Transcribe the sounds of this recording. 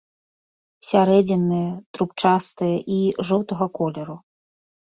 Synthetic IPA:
sʲaɾɛd͡zʲɛnːɨjɐt̪ɾupt͡ʂast̪ɨjɐʔiʐɔwt̪ɐɣɐkɔlʲɛɾu

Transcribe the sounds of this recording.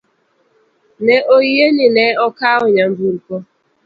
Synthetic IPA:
neʔoɣienɪneːɔkaʊɲam̩buɾukɔ

